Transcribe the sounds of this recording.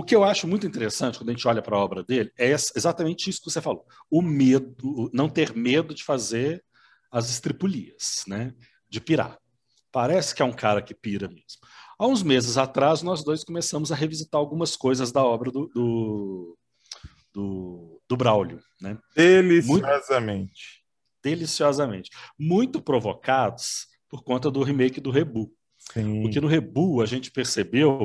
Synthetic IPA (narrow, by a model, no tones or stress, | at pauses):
ʊkɪewaʃʊmũj̃t̪ʊĩt̪eɾesɐ̃t͡ʃɪkɐ̃d̪ɐʒẽt͡ʃɪɔʎɐpɾɐɔbɾɐd̪elɪɛɛsezat̪amẽnt͡ʃɪisʊkɪvosefalo | ʊmed̪ʊnɐ̃w̃t̪eɾmed̪ʊd͡ʒɪfazeɾ | ɐzɪst̪ɾipuliɐsnɛ | d͡ʒɪpiɾa̰ | paɾɛsɪ̥kɪɛũkaɾɐkɪpiɾɐmezmʊaũzmezɪzat̪ɾaznɔzd̪ojskomesɐ̃mʊzɐɦevizit̪aɾawɡũmɐskojzɐzd̪ɐɔbɾɐd̪ʊd̪ʊ | d̪ʊd̪ʊbɾawlʊ | nɛd̪elismũjɔzɐmẽt͡ʃɪ̥ | d̪̥elisiɔzɐmẽnt͡ʃɪ̥mũj̃t̪ʊpɾovokad̪ʊs | poɾkõnt̪ɐd̪ʊɦimejkɪd̪ʊɦebu | ipʊɾkenʊɦebuɐʒẽnt͡ʃɪ̥peɾsebew